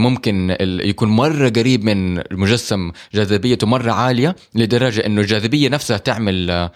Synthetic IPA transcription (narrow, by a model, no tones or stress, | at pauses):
mʊmkɪnɪjakuːnmɑrˤːɑɡaɾiːbmɪnmʊʒasːamd͡ʒaːzɪbɪjːat̪mɑrˤːɑʕaːlɪja | lɪd̪ɑɾˤːɑd͡ʒaʔɪnːʊld͡ʒaːzɪbɪjːanafshat̪ɪʕmal